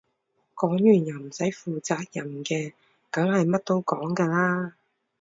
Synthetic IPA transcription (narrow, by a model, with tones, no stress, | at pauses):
kɔː˨˥ŋjyː˨˩njɐ˨˩wm̩˨˩sɐ˨˥jfuː˨t͡saː˨t̚jɐ˨˩nkɛː˧ | kɐ˨˥ŋhɐ˨jmɐ˥t̚t̪o˥wkɔː˨˥ŋkɛː˧laː˥